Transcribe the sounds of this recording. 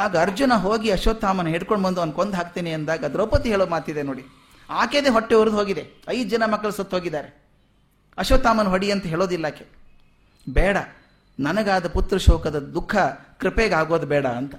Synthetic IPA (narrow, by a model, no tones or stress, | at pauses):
aːɡɐɐɾd͡ʒunɐɦoːɡiɐʃoːt̪ːaːmɐnɐɦeːɽkoɳbɐnd̪uonkond̪ɦaːk̚t̪eːneɐnd̪aːɡɐd̪ɾɐwpɐt̪iɦeːɭoːmaːt̪id̪enoːɽi | aːkeːd̪eːɦɔʈːeuɾud̪ɦoːɡid̪eɐjd̪d͡ʒɐnɐmɐkːɐɭsɐt̪ːɦoːɡid̪ːaːɾe | ɐʃoːt̪ːaːmɐnɦoɽiɐnt̪ɐɦeːɭoːd̪ilːaːke | bɛːɽɐ | nɐnɐɡaːd̪ɐput̪ɾɐʃɔːkɐd̪ɐd̪ukʰːɐkɾipeːɡaːɡo̞ːd̪bɛːɽɐːnt̪ɐ